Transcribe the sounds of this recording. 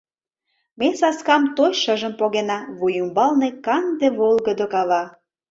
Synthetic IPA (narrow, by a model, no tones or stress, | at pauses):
mesɑskɑmt̪ojʃəʒə̆mpoɣenɑβujumbɑlnekɑnd̪eβolˠɣəd̪okɑβɑ